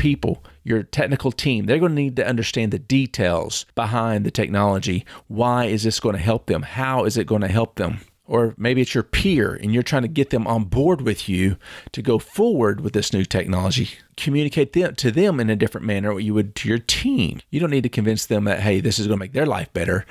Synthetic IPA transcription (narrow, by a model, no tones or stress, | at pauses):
pʰipl̩ˠjə˞tʰɛk̚nɨkl̩ˠtʰĩmðə˞ɡõʊ̃nɨnid̚tɨʔʌ̃ndə˞stæ̃nðɨditʰeɪlˠz̥b̥əɦãɪ̃nðɨtʰɛk̚nɑlˠəd͡ʒiwaɪɨzðɪsɡ̥oʊɪ̃tʰɨɦɛlˠp̚ðɨ̃mhaʊɨzɨt̚ɡ̥oʊɪ̃tʰɨɦɛlˠp̚ðə̰̃m | ə˞meɪbiɨtsjə˞pʰiɹɨ̰̃njə˞tʰɹ̥aɪɪ̃ŋtʰɨɡɛt̪̚ðɨ̃mʔə̃nbɔɹd̚wɪðjʉɾʰɨɡoʊfɔɹwə˞d̚wɨðɪsnʉtʰɛk̚nɑlˠəd͡ʒi | kʰɨmjʉnɨkʰeɪt̪̚ðɨ̃mtʰɨðɨ̃mɨ̃nɨdɪfɹɨ̃nmænə˞wət͡ʃɨwɨd̚tʰɨjə˞tʰĩmjɨdɾõʊ̃nːid̚tʰɨkʰɨ̃nvɪ̃nsðɨ̃mðɨ̰t̚ɦeɪðɪsɨzɡ̥ʌ̃nəmeɪk̚ðə˞la̰ɪfb̥ɛɾə˞